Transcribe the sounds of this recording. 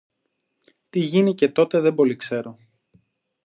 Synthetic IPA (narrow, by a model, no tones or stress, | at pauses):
t̪iʝinice̞t̪o̞t̪e̞ðembo̞likse̞ɾo̞